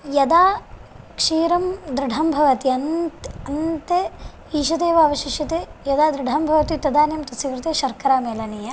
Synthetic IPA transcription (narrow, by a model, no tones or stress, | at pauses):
jɐd̪aː | kʂiːɾɐmd̪ɾɪɖʱɐmbʱɐʋɐt̪iɐntɐnt̪e | iːʃ̬ɐd̪eːʋaːʋɐʃiʃɐt̪ejɐd̪aːd̪ɾɪɖʱɐmbʱɐʋɐt̪it̪ɐd̪aːnjɐmt̪ɐsiʋɾɨt̪eːʃɐɾkɐɾaːmeːlɐniːjɐ